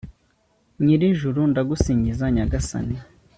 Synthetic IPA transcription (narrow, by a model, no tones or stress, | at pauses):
ɲiɾiʒuɾundaɡusiːɲɟizaɲaɡasa̰ni